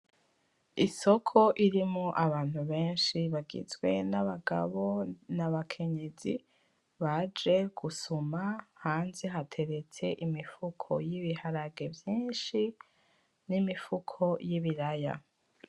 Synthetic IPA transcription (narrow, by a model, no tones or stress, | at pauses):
iso̞kʰo̞ʔiɾimoʔaβaːn̥huβe̞ːnʃiβaɡḭzɡwe̞naβaɡa̰βo̞naβakʰe̞ɲe̞zi | βad͡ʒe̞ɡ̥usumahaːnzeɦatʰe̞ɾe̞t͡se̞ʔimifukʰo̞̰jiβihaɾaɡe̞vjiːnʃi | nimifukʰo̞jiβiɾaja̰